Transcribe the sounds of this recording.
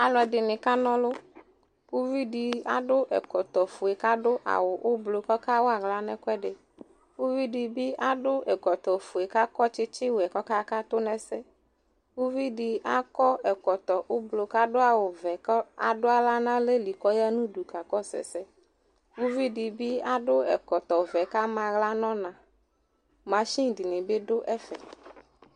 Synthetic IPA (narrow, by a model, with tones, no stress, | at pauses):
a˨lɔ˨ɛ˨ɖɪ˨nɪ̃˨ka˦nɔ̃˦lʊ˦ | ku˦vi˦ɖi˨a˦ɖʊ˦ʔɛ̰˨kɔ˨t̪ɔ˨fu˨ɛ˨ka˦ɖʊ˦ʔa̰˨wʊ˨ʔʊ˦blo˨kɔ˦ka˦wo˦a˨ɣla˦nɛ̃˦kɛ˦ɖɪ˨ | wu˦vi˦ɖi˨bi˦a˦ɖʊ˦ʔɛ˨kɔ˨t̪ɔ˨fo˨e˨ka˦kɔ˦t͡ʃɪ˦t͡ʃɪ˦wɛ˨kɔ˦ka˦ka˦t̪ʊ˦nɛ̃˨sɛ˦ | wu˦vi˦ɖi˨a˦kɔ˦ɛ˨kɔ˨t̪ɔ˨ʔo˦blo˨ka˦ɖʊ˦a˨wo˨vɛ˨kɔ˦a̰˨ɖʊ˦a˦la˦nã˦le˦li˨kɔ˦ja˦nũ˦du˨ka˨kɔ˦sɛ̰˨sɛ˦ | wu˦vi˦ɖi˨bi˦a˦ɖʊ˦ɛ̰˨kɔ˨t̪ɔ˨vɛ˨ka˦mã˨ɣla˦nɔ̃˦nã˨ | mã˨ʃi˦ŋ˨di˨nĩ˨be˦ɖʊ˦ʔɛ˦fɛ˨